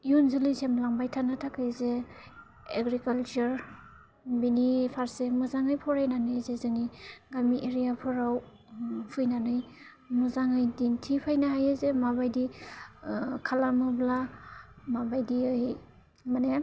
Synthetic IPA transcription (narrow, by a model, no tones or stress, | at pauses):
ijunzilisemlaŋbajtʰanatʰakʰajze | eɡɾikalt͡ʃuɾ | binipʰaɾsemɯzaŋɯjpʰɔɾajnanɯjzezɯŋiɡamiʔeɾijapʰɔɾaw | pʰɯjnanɯj | muzaŋɯjdintʰipʰajnaɦajazemabajdi | kʰalamɯbla | mabajdiɯj | mane